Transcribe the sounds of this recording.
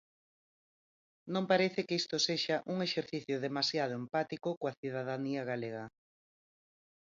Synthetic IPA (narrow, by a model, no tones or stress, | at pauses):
nõmpaɾeθɪkist̪oseʃaʔuŋeʃeɾθiθjʊðemasjað̞oempat̪ikokoaθiðaðaniaɣaleɣɐ